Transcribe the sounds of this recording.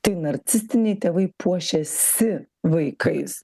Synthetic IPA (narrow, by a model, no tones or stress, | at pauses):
t̪ɐɪnɐɾʲt̪sʲɪsʲt̪ʲɪnʲɛɪt̪ʲeːʋɐɪpʰuɔʃʲɛsʲɪ | ʋɐɪkʰɐɪs